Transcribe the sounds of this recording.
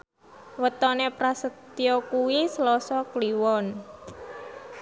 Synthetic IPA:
wət̪ɔnepɾasət̪iɔkuwislɔsɔkliwɔn

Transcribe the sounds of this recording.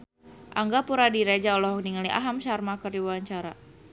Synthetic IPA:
ʔaŋɡapuɾadiɾed͡ʒaɔlɔɦɔk̚niŋaliʔa̰ɦamʃarmakərdiwwaɲt͡ʃaɾa̰

